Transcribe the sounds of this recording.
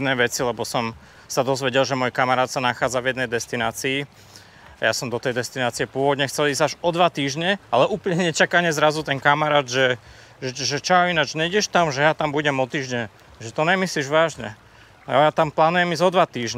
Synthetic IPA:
nɛːʋɛt͡silɛbɔsɔm | sad̪ɔzʋɛɟɛlʒɛmɔːjkamaɾaːt̪sanaxaːd͡zavjɛd̪nɛjd̪ɛst̪inaːt͡siː | ajasɔmd̪ɔt̪ɛjd̪ɛst̪inaːt͡siɛpʊɔʋɔd̪ɲɛxt͡sɛliːzaʒɔd̪ʋat̪iːʒɲɛalɛʔuːpl̩ɲɲɛɲɛt͡ʃakaɲɛzɾazut̪ɛnkamaɾaːd̪ʒɛ | ʒɛʒɛt͡ʃɔainad͡ʒɲɛiɟɛʃt̪amʒɛjat̪ambuɟɛmɔt̪iːʒɲɛ | ʒɛt̪ɔɲɛmisliːʒʋaːʒɲɛ̰ | ajat̪amplaːnujɛmiːzɔd̪ʋat̪iːʒɲ

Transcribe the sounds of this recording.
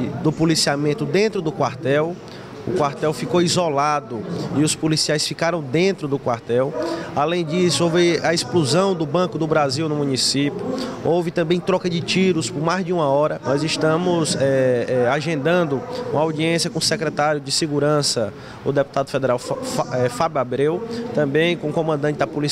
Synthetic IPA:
d̪ʊpulisiamẽnt̪ʊd̪ẽnt̪ɾʊd̪ʊkwaɾt̪ɛw | ʊ̰kwaɾt̪ɛwfikowizɔlad̪ʊiʊspolisiajsfikaɾɐ̃w̃d̪ẽnt̪ɾʊd̪ʊkwaɾt̪ɛwalẽj̃d͡ʒisʊowvɪɐespluzɐ̃w̃d̪ʊbɐ̃kʊd̪ʊbɾaziwnʊmũnisipjʊowvɪt̪ɐ̃mbẽj̃t̪ɾɔkɐd͡ʒɪt͡ʃiɾʊspʊɾmajzd͡ʒiũmɐɔɾɐmɐjzɪʃt̪ɐ̃mʊzɛɛaʒẽnd̪ɐ̃nd̪ʊũmɐawd͡ʒiẽsjɐkõʊsɛkɾɛt̪aɾjʊd͡ʒɪseɡuɾɐ̃sɐ | ʊd̪epu̥t̪ad̪ʊfed̪eɾawɛfabjuabɾewt̪ɐ̃mbẽj̃kõʊkõmɐ̃nd̪ɐ̃nt͡ʃɪd̪ɐpuli

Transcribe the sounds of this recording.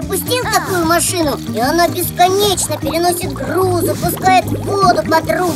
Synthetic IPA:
əpʊsʲtʲilˠt̪ɐkujʊmɐʂɨnʊiɐnabʲɪskɐnʲet͡ɕnəpʲɪɾʲɪno̞sʲɪt̪̚ɡruzʊpʊskajɪt̪vod̪ʊpɐt̪ru

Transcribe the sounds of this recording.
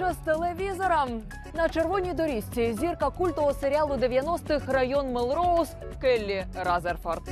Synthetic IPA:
ɔst̪ɛlˠɛʋʲizɔɾɐm | nɐt͡ʃerʋɔnʲijd̪ɔɾʲisʲt͡sʲizʲirkɐkulʲt̪ɔɦɔseɾʲalˠʊd̪ɛʋʲjanɔst̪ɪxrɐjɔnmɛlˠɾɔus | kɛlʲːiɾazɛrfɔrt̪

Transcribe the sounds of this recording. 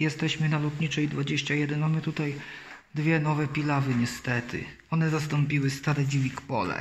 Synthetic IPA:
jɛst̪ɛɕmɘnalɔt̪ɲit͡ʂɛjd̪vad͡ʑeɕt͡ɕajɛd̪ɛnmamɘt̪ut̪aj | d̪vʲjɛnɔvɛpʲilavɘɲɛst̪ɛt̪ʰɘ̰ | ɔnɛzast̪ɔmpʲiwɘst̪aɾɛd͡ʑivʲikpɔlɛ̰

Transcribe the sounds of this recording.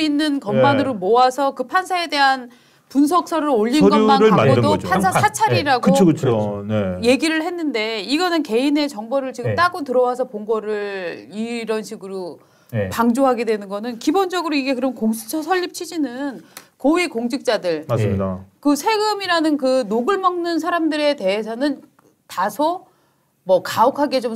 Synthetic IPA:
inːɯnkʌmmanɯɾomoasʰʌkɯpʰansʰae̞de̞ɦan | puns̬ʰʌk̚s͈ʰʌɾɯɾoʎːinɡʌmaɾɯaaodopasʰasʰat͡ɕʰaɾiɾaɡkɯookɯt͡ɕʰoeje̞ɡiɾɯɭhe̞nːɯnde̞iɡʌnɯnke̞ine̞t͡ɕʌŋbʌɾɯɭt͡ɕiɡɯmt͈aɡotɯɾʌwasʰʌpoŋɡʌɾɯɭiɾʌnɕʰiɡɯɾo | paŋd͡ʑoɦaɡe̞dwe̞nɯnɡʌnɯnkibond͡ʑʌɡɯɾoiɡe̞k̬ɯɾʌmnkoŋsʰu̥t͡ɕʰʌsʰʌʎːip̚t͡ɕʰid͡ʑinɯnkowikoŋd͡ʑʰik̚t͡ɕ͈adɯɭmasmɲidakɯsʰe̞ɡɯmiɾanɯnkɯnoɡɯɭmʌŋnɯns̬ʰaɾamdɯɾe̞te̞ɦesʰʌnɯn | tasʰo | mʌkaokʰaɡe̞t͡ɕom

